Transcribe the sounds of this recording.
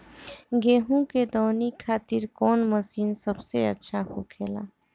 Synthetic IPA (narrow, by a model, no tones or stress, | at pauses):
ɡeːɦũked̪ɔːnikʰːaːt̪iɾkɔːnməsiːnsəbseə̰tːʃʰaɦo̰kʰeːla̰ː